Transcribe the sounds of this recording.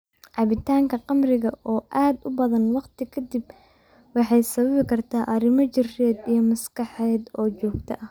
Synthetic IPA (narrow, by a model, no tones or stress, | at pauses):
ʕɑβɪt̪ʰaːŋkʰɐqɑmrɪɣɐʔɔːʔaːd̪ʊbɐðɐnwɑqt̪ʰɪkʰɐd̪ɪb̚ | wɑħɑjsɐβɐβɪkʰɐrt̪ʰaːʔɐɾɪmɔt͡ʃɪrɛːd̪ijɞmɐskɑħɛːd̪ɔːt͡ʃɔːɡt̪ʰɐ̰ʔɐ